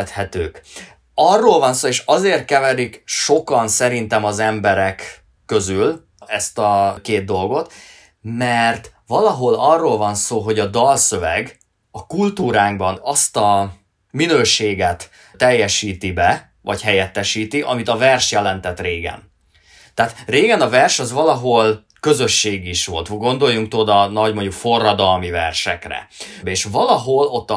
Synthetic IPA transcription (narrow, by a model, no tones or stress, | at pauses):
t̪hɛt̪øːk | ɒrːoːlvɒnsoːeːʃɒzeːrt̪̚kɛvɛɾikʃo̞kɒnsɛɾint̪ɛmɒzɛmbɛɾɛkː | ø̞zyl | ɛst̪ɒkeːd̪̚d̪o̞lɡo̞t̪ | mɛrt̪ʋɒlɒɦo̞lɒrːolvɒnsoːɦo̞ɟɒd̪ɒlsø̞vɛɡ | ɒkult̪uːɾaːŋɡbɒnɒst̪ɒ | minøːʃeːɡɛt̪ | t̪ːɛjːɛʃiːt̪ibɛ | vɒ̰chɛjɛt̪ːɛʃiːt̪iʔɒmit̪ɒvɛrʃjɛlɛnt̪ɛt̪reːɡɛ̰n | t̪ɛːt̪reːɡɛnɒvɛrʃɒzʋɒlɒɦo̞l | kø̞zø̞ʃːeːɡiʃʋo̞̰lt̪ɡo̞nd̪o̞jːuŋk̚t̪o̞d̪ɒnɒɟmo̞ɲɟukfo̞rːɒd̪ɒlmivɛrʃɛ̰krɛ̰bɛeːʃvɒlɒɦo̞lo̞t̪ːɒ